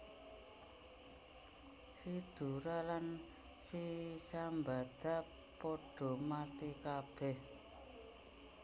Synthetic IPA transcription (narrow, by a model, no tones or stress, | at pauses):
sid̪̥ṳɾalan | sisambad̪̥a̤ | pɔɖ̥ɔ̤mat̪ikab̥ɛh